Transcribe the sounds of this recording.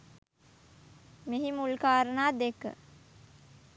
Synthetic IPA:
meɦimulkaːɾənaːd̪ekə̰

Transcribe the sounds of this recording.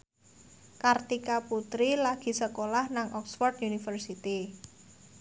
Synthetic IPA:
kart̪ikaput̪ɾilaɡ̥i̤səkolahnaŋʔɔksfɔrd̪unifərsit̪i

